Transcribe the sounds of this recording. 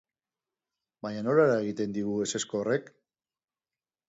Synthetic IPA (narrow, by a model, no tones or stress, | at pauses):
baɲano̞laeɾae̞ɣ̞it̪e̞nd̪iɣue̞se̞skoːre̞k